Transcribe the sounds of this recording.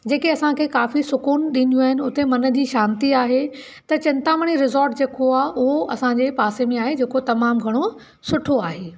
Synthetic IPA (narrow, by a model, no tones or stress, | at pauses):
d͡ʑeːkeɐsãkʰeːkaːfisʊkuːnɗĩːnd̪ijũaːɦɪnɪ̆ʊt̪emɐnə̆d͡ʑiːʃãːnt̪iaːɦe | t̪ɐt͡ɕɪ̃nt̪aməɽ̃iɾɪzɔːɾʈd͡ʑeːkoaːɦʊɦoʔɐsãɲd͡ʑepaːsemẽaːɦed͡ʑeːkot̪ɐmaːmɡʱɐɽ̃o | sʊʈʰoaːɦeː